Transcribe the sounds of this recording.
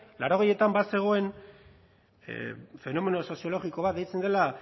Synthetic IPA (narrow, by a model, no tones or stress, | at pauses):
laɾo̞ɣeje̞t̪ambase̞ɣ̞o̞e̞n | fe̞no̞me̞noso̞sio̞lo̞ɣiko̞βat̪̚d̪ejt͡send̪e̞la